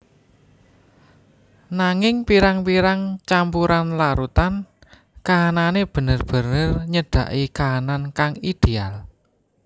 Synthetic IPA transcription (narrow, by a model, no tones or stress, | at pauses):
naŋɪŋpiɾaŋpiɾaŋt͡ʃampuɾanlaɾut̪an | kaːnaneb̥ə̤nərb̥ə̤nərɲəɖ̥a̤̰ʔikaːnankaŋid̪̥eal